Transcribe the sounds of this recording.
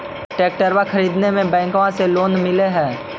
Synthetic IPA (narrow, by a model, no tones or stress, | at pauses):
ʈeːk̚ʈəɾʋaxʰɐɾiːd̪nemẽbɛ̃ːŋkãseloːnmɪleɦɛ̃ː